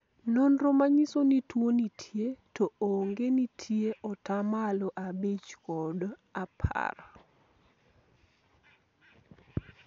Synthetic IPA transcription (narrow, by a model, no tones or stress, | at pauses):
nonɾomaɲisonitwonitʰjetɔoŋɡenitʰjeʔɔtamalɔʔabet͡ʃkɔdapʰa̰ɾa